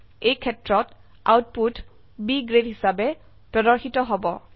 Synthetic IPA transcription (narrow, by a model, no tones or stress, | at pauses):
ejkʰɛtɹɔt | a̰wt̚put | biɡɹedɦisabɛ | pɹɔdɔɹxitɔɦɔbɔ